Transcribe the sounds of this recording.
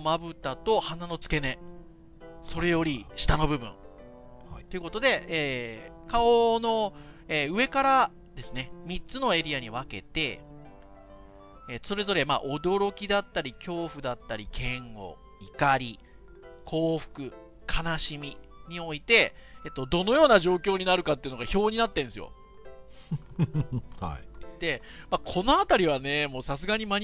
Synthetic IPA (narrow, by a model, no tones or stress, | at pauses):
mabɯ̟t̪at̪o̞hanano̞t͡sɨ̥ke̞ne̞ | so̞ɾe̞jo̞ɾʲiɕi̥t̪ano̞bɯ̟bɯ̟̰̃ɴ | t̪eɯ̟ko̞t̪o̞d̪e̞eːkaono̞eːɯ̟e̞kaɾa | d̪e̞sɨne̞mʲit͡sɨno̞e̞ɾʲiaɲ̟iβ̞ake̞̰t̪e̞̰ | eso̞ɾe̞zo̞ɾe̞ma̰ʔo̞d̪o̞ɾo̞kʲid̪at̪ːaɾʲikʲo̞ːɸɯ̟d̪at̪ːaɾʲikʰẽ̞ŋɡo̞̰ | ikaɾʲi | kʰo̞ːɸɯ̟̥kɯ̟ | kʰanaɕimʲiɲ̟io̞it̪e̞et̪ːo̞d̪o̞no̞jo̞ːnaʑo̞ːkʲo̞ːɲ̟inaɾɯ̟kat̪ːeɯ̟no̞ɡaço̞ːɲ̟inat̪ːẽ̞ñsɨjo̰ | d̪̥e̞makʰo̞no̞at̪aɾʲiβ̞ane̞mo̞ːsas̬ɨɡaɲ̟imaɲ